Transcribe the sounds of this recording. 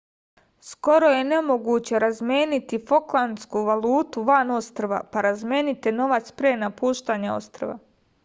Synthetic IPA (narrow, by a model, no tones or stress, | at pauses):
sko̞ɾo̞je̞ne̞mo̞ɡuːt͡ɕe̞ɾazmʲjeːnit̪ifo̞klˠanskuʋalˠuːt̪uʋano̞st̪ɾʋa̰paɾazmjeːnit̪eno̞ʋat̪spɾenapuːʃt̪aːɲao̞̰st̪ɾoʋa̰